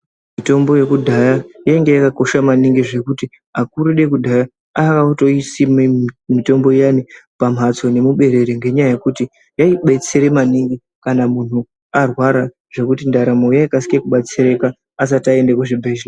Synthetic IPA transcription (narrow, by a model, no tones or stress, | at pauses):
mito̞mbo̞je̞kudʱajajaiŋɡe̞jakako̞ʃamaniŋɡiʐe̞kuti | akuɾuɗe̞kudʱaja | akauto̞isimmito̞mbo̞janipam̤at͡so̞ne̞muɓe̞ɾe̞ɾeŋɡe̞ɲajaje̞kuti | jaiɓe̞t͡siɾe̞maniŋɡi | kanamun̤u | arwaɾa | ʐ̥e̞kutindaɾamojaikasi̥ke̞kuɓat͡siɾekaː | s̬ataendekuʐibʱeʒina